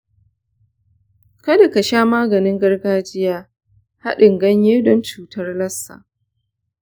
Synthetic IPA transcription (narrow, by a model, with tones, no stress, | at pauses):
kɐ˦da˨ka˨ʃaː˦maː˦ɡɐ˨nɪ˦ŋɡɐ˦rɡaː˦d͡ʒɪ˦jaː˦ | ha̰˦ɗɪ˨ŋɡɐ˦ɲjeː˦dɔ˦nt͡ʃuː˨tɐ˦rlɐ˦sːa̰˨ʔ